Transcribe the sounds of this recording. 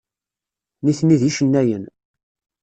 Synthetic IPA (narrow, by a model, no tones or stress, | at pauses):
niθniðiʃənːæjən